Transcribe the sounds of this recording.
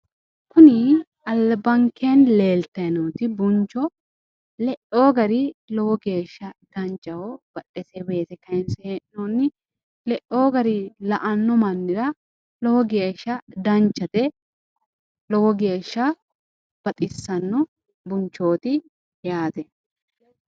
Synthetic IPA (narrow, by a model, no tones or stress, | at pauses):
kʊnɪ | ɐlbɐŋkʰːeːnle̞ːlt̪ːɐjɐnuːt̪ɪbʊnt͡ʃːɔ | lɛʔoːɡɐɾɪlɔwɔɡe̞ːʃːɐd̪̥ɐnt͡ʃːɐwɔb̥ɐʔɛsɛbe̞ːt̪ɛkɐɪnsɛnɔnːɪ | lɛʔːoːɡɐɾɪlɐʔɐnːɔmɐnːɪɾɐ | lɔwɔɡe̞ːʃːɐd̪ɐnt͡ʃːɐt̪ɛ | lɔwɔɡe̞ːʃːɐ | b̥ɐt̪ʼɪsːɐnːɔ | bʊnt͡ʃːo̞ːt̪ɪ | jaːt̪ɛ